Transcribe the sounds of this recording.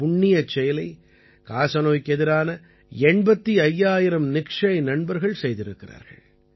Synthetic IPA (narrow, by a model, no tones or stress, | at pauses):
pʊɳːɪjɐt͡ʃːɛjɪlɐɪ | kaːsɐnoːjkɛðɪɾaːnɐ | ɛɳbɐt̪ːiɐjːaːjɪɾɐmnɪkʂɐɐɪnɐɳbɐɾɣɐɭsɛjðɪɾɯkːɪra̰ːɾɣɐ̰ɭ